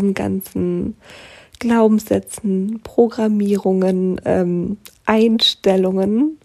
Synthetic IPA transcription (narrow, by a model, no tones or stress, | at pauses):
nɡa̰nt͡sn̩ | ɡ̥laʊbm̩sz̥ɛt͡sn̩pʁ̥oɡʁamiːʁʊŋənʔɛmʔaɪnʃtɛlʊŋən